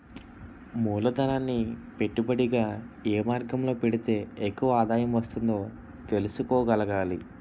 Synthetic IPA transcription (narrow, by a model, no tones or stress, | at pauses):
muːlɐd̪ɐnaːnːipe̞ʈːubɐɽiɡaːeːmaːɾɡɐmlo̞ːpe̞ɽit̪e̞ːekːuʋɐaːd̪aːjɐmʋɐst̪und̪o̞ː | t̪e̞lusukoːɡɐlɐɡaːli